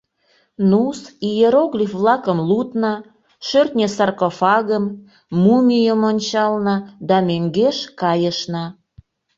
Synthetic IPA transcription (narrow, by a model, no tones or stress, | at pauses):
nusijeɾoɣlʲifvlɑkəmlut̪nɑ | ʃørt̪nʲesɑrkofɑɣəmː | umʲijəmonʲt͡ɕɑlnɑd̪ɑmøŋɡeʃkɑjəʃnɑ